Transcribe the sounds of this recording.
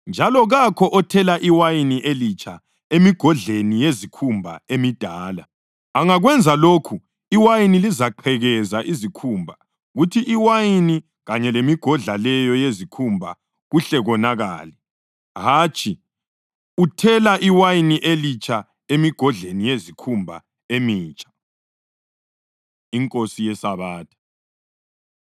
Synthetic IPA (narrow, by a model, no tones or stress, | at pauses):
nd͡ʒʱalɔɣakʰɔʔɔtʰɛlaʔiwajiniʔelit͡ʃʰʼa | emiɡ̥ʱɔɮenijezikʰumbʱa̰emid̥ʱaːla̰ | aŋaɣwɛnd͡zʱaloːkʰu | iwajinilizaǃʰɛɣɛzaʔizikʰuːmbʱa | ɣutʰiʔiwajini | ɣaɲɛlemiɡ̥ʱɔɮalɛjɔjezikʰumbʱa̰ | ɣuɬɛɣɔnaɣa̰ːlɛ | ɦaːt͡ʃʼʰi | utʰɛlaʔiwajiniʔelit͡ʃʰʼa | emiɡ̥ʱɔɮenijezikʰumbʱa̰ | emiːt͡ʃʼḁ | iŋkʼosijɛsaβaːtʰḁ